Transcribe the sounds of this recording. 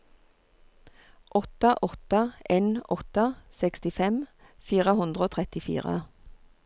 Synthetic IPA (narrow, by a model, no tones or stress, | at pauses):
ʔɔt̪əʔɔt̪əʔeːnɔt̪əsɛkst̪ɪfɛm | fiːʁəhʉnd̪ʁəoːt̪ʰʁɛt̪ɪfḭːʁə̰